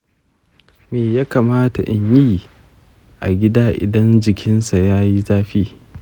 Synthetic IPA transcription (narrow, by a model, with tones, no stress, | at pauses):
meː˨jaː˦kaː˨maː˦ta̰˨ʔɪ˨ɲjiː˦ | ʔa̰˨ɡʲɪ˦daː˦ʔɪ̰˨dɐ˦nd͡ʒɪ˨kʲʰɪ˦nsa˨jaː˦ji˦zaː˦ɸiː˦